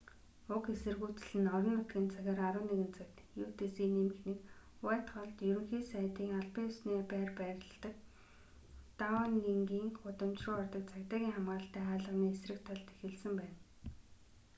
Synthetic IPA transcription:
ʊkesɘ̆rɣuːt͡s̆ɮɘ̆nɔɾɞ̆nʊt̪ɡʲĭnt͡sʰaɣʲăɾaɾʊːneɣɘ̆nt͡sʰakt̪juːt̪esiːnemɘ̆xnek | wæːt̪χɔɮt̪jɵɾɵ̆ŋxiːsæːt̪iːŋaɮpeːʊsneːpæːrpæːɾʲɪ̆ɮt̪ə̆k̚ | t̪awanːeŋɡiːŋχʊt̪ə̆mt͡ɕrʊːɔrt̪ə̆k̚t͡sʰakt̪aːɣʲiːŋχamɢaːɬt̪æːaːɮə̆ʁniːesrɘ̆kt̪ʰaɮt̪e̥xɘ̆ɮsɘ̆mpæːn

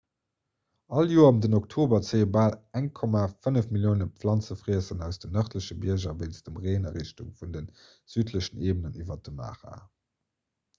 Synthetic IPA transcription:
ɑljuːɐɑmdənok̚tʰoːbɐt͡seəbaːlæŋkʰɔmafənəfmiljoːnəpflɑnt͡səfʁiəsənæʊsd̥ənœχtləɕəbiɐʑɐveɪnt͡sd̥əmʁeːnɐʁiɕtuŋfundən | z̥yːtʰləɕəneːbənənivɐt̚dəma̰ːʁa̰ː

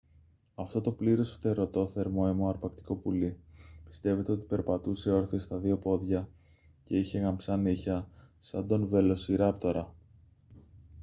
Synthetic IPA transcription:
ɐft̪o̞t̪o̞pliɾo̞sft̪e̞ɾo̞t̪o̞θe̞ɾmo̞emo̞ɐɾpɐkt̪i̥ko̞pulipi̥st̪e̞ve̞t̪e̞o̞t̪i̥pe̞ɾpɐt̪use̞o̞ɾθist̪ɐðio̞po̞ðʝɐ | ce̞içe̞ɣɐmpsɐniçɐsɐnd̪o̞nve̞lo̞siɾɐpt̪o̞ɾɐ

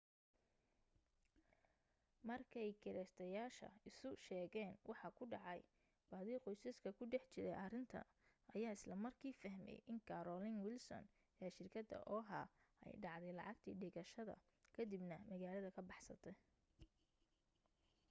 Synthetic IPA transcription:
mɐrkʰɐjkʰɪɾɛst̪ʰɐjaːʃɐ̰ɪsʊʃɛːɣɛːnwʔɑħɑkʰʊɖɑʕɑj | b̥aːðiːqɔjsɐskʰɐkʰʊɖɛħt͡ʃɪɾɛjʔɐrɪnt̪ʰɐ̰ | ɐjaːɪslɐmɐrkʰiːfɐɦmɛ̰jʔɪŋkʰɐɾɔlɪŋwɪlsɔ̰n | ɛːʃɪrkʰɐd̪ɐ̰ʔɔːɦaːɛ̰jɖɑʕd̪ɛjlɑʕɑɡt̪ʰḭːɖɪɣɐʃɐðɐ̰ | kʰɐd̪ibnɐmɐɣaːlɐðɐkʰɐbɑħsɐt̪ʰɛ

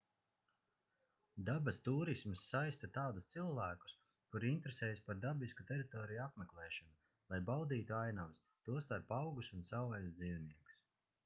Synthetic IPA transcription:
d̪abast̪uːɾismsːajst̪at̪aːd̪ust̪silˠvæːku̥s | kuɾint̪ɾesɛːjspaɾd̪abiskut̪ʲeɾit̪ɔːɾijuapmeklˠɛːʃɔnu | lˠajbawd̪iːt̪uajnams | t̪uɔst̪aɾpawɡusunsawvajzd̪ziːwniɛku̥s

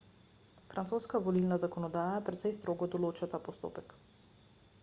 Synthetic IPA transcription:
fɾʔant̪soːskavɔlilnazakɔnɔd̪aːjapɾɛt̪sɛjst̪ɾoːɡɔd̪ɔloːt͡ʃat̪aːpɔst̪o̰ːpɛk

